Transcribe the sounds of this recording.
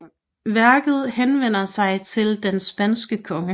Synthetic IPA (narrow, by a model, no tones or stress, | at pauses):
ʋæɐɡ̥ð̩ˠhenʋen̰ɐsɑ̈ɪt͡sʰe̝ld̥ensb̥ænsɡ̥əkʰɒ̽ŋə